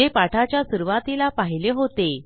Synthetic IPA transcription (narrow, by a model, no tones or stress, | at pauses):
epaʈʰat͡ɕjasuɾʋat̪ilapaɦileɦot̪e